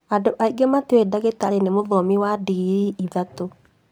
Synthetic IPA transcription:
adoʔaiɡematwedaɣetaɾenemoðɔmiwadiɾiiðato

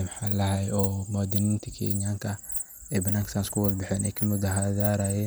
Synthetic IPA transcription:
mħaːlɐɦɛjɔːmʊaːd̪ɪnɪnt̪ʰɐkʰɛ̰ɲaːŋkʰɐ | ɛːbɐnːaːŋksanskʰʊwɐlbɪħɛːnɛ̰jkʰɐmʊðaɦaðaːɾaːjɛn

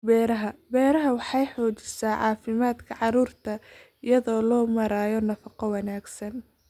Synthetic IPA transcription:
bɛːɾɐɦɐbɛːɾɐɦɐwɑħɑjħɔːt͡ʃɪ̥saːʕɑːfɪmaːd̪kʰɐʕɑɾuːrt̪ʰɐ | ɪjɐðɔːlɔːmɐɾaːjɔnɐfɑqɔwɑnaːɡsɐn

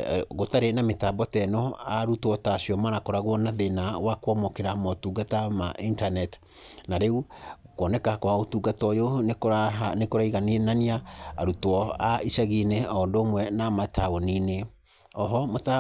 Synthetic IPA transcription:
ɣotaɾenametaːbɔtɛnɔaɾutwɔtasiɔmanakɔɾaɣwɔnaðenawakwɔmɔkeɾamɔtuːɡatamaʔintanɛt | naɾeu | kwɔnɛkahakɔaotuːɡatɔjonekaanekoɾaiɣaninaniaa̰ɾutwɔaisaɣineɔndoːmwɛnamatʰaɣonine | ɔɦɔmota

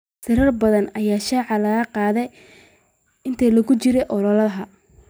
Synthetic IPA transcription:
sɪɾɐrbɐðɐnɐjaːʃaːʕɑlɐɣɐqɑːðɛj | ɪnt̪ʰɛlɐɣʊt͡ʃɪɾɛʔɔɾɐlɐɦɐ

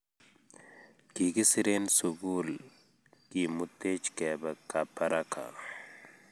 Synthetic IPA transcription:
kiɡisiɾensuɡuːl | kimut̪et͡ʃkɛbɐkapʰɐɾakʰa̰

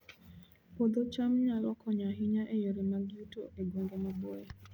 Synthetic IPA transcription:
pod̪ot͡ʃamɲalɔkɔɲaɦɪɲaʔejoɾemaɡjutoʔeɡwoŋɡemabɔɛ

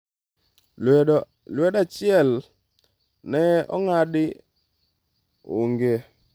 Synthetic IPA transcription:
lwɛdat͡ʃɪɛl | nɛɔ̰ŋadɪ | oŋɡe

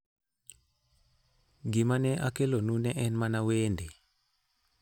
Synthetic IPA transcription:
ɡimanɛʔakelonunɛʔɛnmanaweːnde

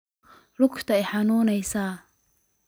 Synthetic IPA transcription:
ɾʊkt̪ʰɐɪħanuːnɛjsaː

